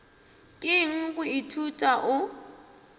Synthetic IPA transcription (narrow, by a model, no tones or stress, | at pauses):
kʼɪŋ̩kʼʊitʰutʼaʔʊ